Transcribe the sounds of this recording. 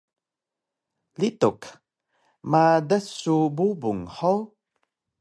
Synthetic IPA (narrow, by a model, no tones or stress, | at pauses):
lituk | madəsububuŋħow